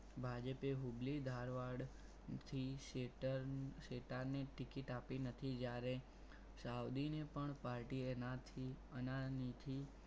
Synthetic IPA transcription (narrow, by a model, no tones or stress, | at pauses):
bʱad͡ʒəpeɦublid̪ʱaɾʋaɽ | t̪ʰiʈʃeʈaɾneʈɪkiʈapinət̪ʰid͡ʒjaɾe | saud̪inepəɳpaɾʈienat̪ʰi | ənanit̪ʰi